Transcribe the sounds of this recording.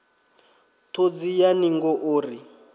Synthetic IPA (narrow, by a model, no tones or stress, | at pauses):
tʰod͡zijaniŋɡɔʔoːri